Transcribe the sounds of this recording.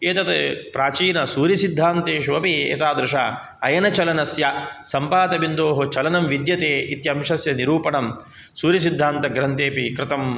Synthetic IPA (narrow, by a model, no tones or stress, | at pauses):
eːt̪ɐt̪epɾaːt͡ʃiːnɐsuːɾjɐsid̪ʱːaːnt̪eːʃʋɐpiḛːt̪aːd̪ɾuʂa̰ | ɐjɐnɐt͡ʃɐlɐnɐsjɐsɐmpaːd̪ɐbind̪oːɦɐt͡ʃɐlɐnɐmʋid̪jɐt̪eːit̪jɐmʂɐsjɐniɾuːpɐɳɐm | suːɾjɐsid̪ʱːaːnt̪ɐɡɾɐnt̪eːpikɾɪt̪ɐm